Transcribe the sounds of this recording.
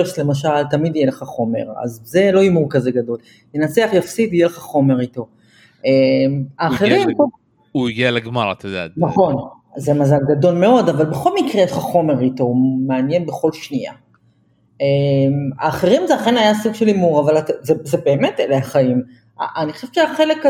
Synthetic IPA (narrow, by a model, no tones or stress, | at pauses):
eʃle̞maʃ̬alt̪amid̪ijeleχaχo̞me̞̰ʁa̰zze̞lo̞imuʁkaze̞ɡado̞l | jenat͡seaχjafsitijeleχaχo̞me̞ʁito̞ | ʔemaːχeʁimo | uiɡialeɡmaʁat̪ed̪anaχo̞n | zemazalɡado̞lme̞o̞davalbeχo̞lmikʁeeʃχaχo̞me̞ʁito̞meanjenbe̞χo̞lʃnia̰ | ema̰ːχeʁimzeaχe̞najasuɡʃe̞limuʁavalatzezebe̞ːme̞teleaχaim | a̰ʔaniχoʃevʃeaχe̞lek